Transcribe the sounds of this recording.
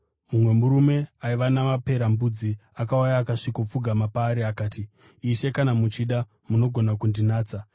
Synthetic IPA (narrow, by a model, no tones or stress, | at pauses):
mumwe̞muɾume̞aiʋanamape̞ɾambud͡ziakaujaːkaʂikop͡fuɡʱamapaːɾiakaːtiː | ʃe̞kanamut͡ʃiɗa | muno̞ɡʱo̞nakundinaːt͡sa